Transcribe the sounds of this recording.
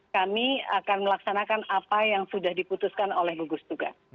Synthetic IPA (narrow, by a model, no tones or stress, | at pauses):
kamiakanməlaksanakanapajaŋsudahdiput̪uskanolɛhɡuɡusd̪uɡa̰